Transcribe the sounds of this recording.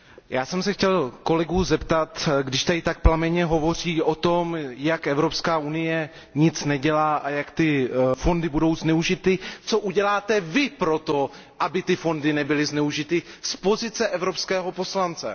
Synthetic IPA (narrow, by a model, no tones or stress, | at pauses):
jaːsɛmsɛxcɛlko̞lɛɡuːzɛpt̪at̪ɡdɪʃt̪aɪt̪ak̚plamɛɲɛɦo̞vo̞r̝iːʔo̞t̪o̞mjakʔɛvɾo̞pskaːunɪjɛ | ɲɪt͡snɛɟɛlaːʔajakt̪ɪfo̞ndɪbudo̞wznɛuʒɪt̪ɪt͡so̞ʔuɟɛlaːt̪ɛvɪpɾo̞t̪o̞ | ʔabɪt̪ɪfo̞ndɪnɛbɪlɪznɛuʒɪt̪ɪspo̞zɪt͡sɛʔɛvɾopskɛːɦo̞po̞slant͡sɛ̰